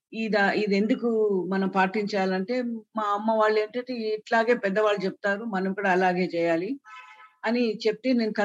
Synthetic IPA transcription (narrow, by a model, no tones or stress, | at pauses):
id̪ɐid̪e̞nd̪ukumɐnɐmpaːʈiɲt͡ʃaːlɐɳʈe̞ːmaːɐmːɐʋaːɭːe̞ːɳʈɐɳʈeːiʈlaːɡe̞ːpɛd̪ːɐʋaːɭːut͡ʃɛp̚t̪aːɾumɐnɐmikːuɽaːlaːɡe̞ːt͡ʃɛːjaːli | ɐnit͡ʃep̚t̪eːneːnukɐ